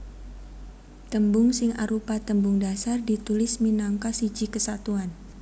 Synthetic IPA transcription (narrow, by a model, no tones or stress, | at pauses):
t̪əmbʊŋsɪŋa̰ɾupat̪əmbʊŋdasardit̪ulɪsminaŋkasid͡ʒikəsat̪uan